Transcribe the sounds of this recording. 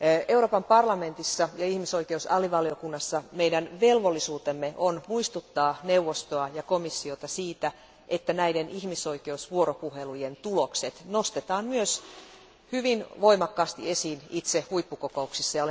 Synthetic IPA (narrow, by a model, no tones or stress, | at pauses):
e̞uroːpɑmpɑrlɑme̞nt̪isːɑjɑihmiso̞ikeusɑ̰liʋɑlio̞kunːɑsːɑmeidænʋe̞lʋolːisuːt̪emːeʔonmuist̪ut̪ːɑːneuʋːost̪oɑjɑkomisːiot̪ɑsiːt̪æ | ʔet̪ːænæidenihmiso̞ike̞usʋuoɾopuhe̞lujent̪ulokse̞t̪no̞st̪et̪ɑːmmyøs | hyʋinʋo̞imɑkːɑːst̪ie̞siːnit̪sehuipːukoko̞uksisːɑjɑole